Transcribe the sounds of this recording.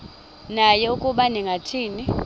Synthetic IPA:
najɛukʼuɓaniŋɡʱatʰiːni

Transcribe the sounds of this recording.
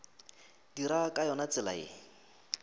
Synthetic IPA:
diɾakʼajɔnat͡sɪla̰ḛːŋ

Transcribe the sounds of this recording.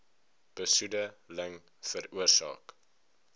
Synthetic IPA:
b̥əsudələŋ | fəɾuərsɑ̰ːk

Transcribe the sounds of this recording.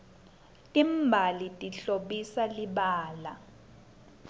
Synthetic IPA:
tʼimbʱalitʼiɬoɓisaliɓaːla

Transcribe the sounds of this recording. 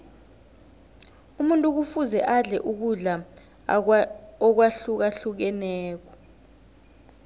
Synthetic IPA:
umuntʼuk̬ufuzɛʔaɮɛ̰ʔuk̬uɮa | ɔk̬waɬuk̬aɬuk̬ɛnɛːk̬ɔ̥

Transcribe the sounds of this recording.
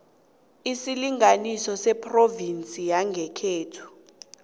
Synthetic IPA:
isiliŋanisɔsɛpʼrovint͡sʼijaŋɡʱɛkʰeːtʰu̥

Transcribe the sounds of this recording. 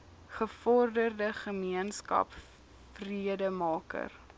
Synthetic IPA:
χəfɔrdərdəχəmiənskɐ̰p | friədəmɑːkə̰r

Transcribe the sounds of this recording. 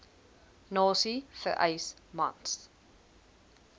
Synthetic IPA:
nɑːsifə̰ʔɐ̰ɪsma̰ns

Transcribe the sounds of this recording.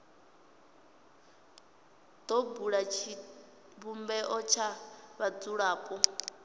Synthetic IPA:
d̪ɔbuɺat͡ʃʰi | βumbɛʔɔt͡ʃʰaβad͡zuɺaːkʼɔ

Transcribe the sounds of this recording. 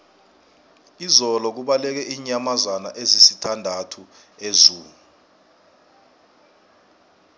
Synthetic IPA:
izɔlɔk̬uɓalɛk̬ɛʔiːɲamazwanaʔezisitʰandʱatʰu | ezuːu

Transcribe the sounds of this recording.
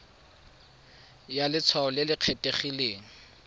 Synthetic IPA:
jalɪt͡sʰwaʊlɪlɪq͡χʰetʼeχileːŋ̩

